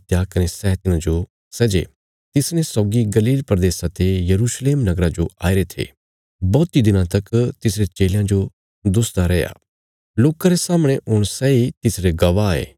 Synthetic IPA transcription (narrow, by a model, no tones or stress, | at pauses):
t̪jakɐnesɛɦt̪ɪnãd͡ʒo | sɛd͡ʒḛ | t̪ɪsnẽsɔːɡiɡɐliːlpɾɐd̪eːsãt̪ejɐɾuːsleːmnɐɡɾad͡ʒoa̰ːɪɾet̪ʰḛː | bɔːt̪id̪ɪnãt̪ɐkt̪ɪsɾet͡ʃeːljãd͡ʒo | d̪ʊst̪aɾɛːja̰ː | loːkaɾesaːmɽ̃eʔʊɽ̃sɛːit̪ɪsɾeɡɐʋaḛː